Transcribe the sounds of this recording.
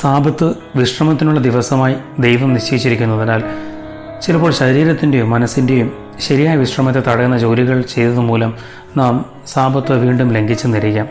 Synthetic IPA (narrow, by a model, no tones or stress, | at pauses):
saːbʱɐt̪ːɨ | ʋiʂrɐmɐt̪̬ːinuɭːɐd̪iʋɐsɐmaːjid̪e̞jʋɐmniɕt͡ɕejit͡ɕːiɾikʲːunːɐðinaːl | t͡ɕilɐpo̞ːɭɕɐɾiːɾɐt̪ːinde̞jumːɐnɐsːinde̞jum | ɕɐɾijaːjɐʋiʂrɐmɐt̪ːe̞t̪ɐɽɐkːunːɐd͡ʑo̞ːliɣɐɭt͡ɕe̞jt̪ɐðɨmuːlɐm | naːm | saːbʱɐt̪ːɨʋiːɳɖumle̞ŋɡit͡ɕːɨnɐɾikʲːaːm